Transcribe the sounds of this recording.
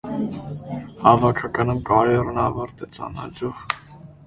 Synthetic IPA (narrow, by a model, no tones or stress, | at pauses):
hɑvɑkʰɑkɑnumkɑɾɛrnɑvɑɾt̪ɛt͡sɑ̰nɑ̰d͡ʒuʁ